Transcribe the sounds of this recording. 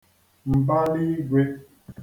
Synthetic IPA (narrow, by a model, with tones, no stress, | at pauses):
m̩˨ba˦li˦ɡʷwe˦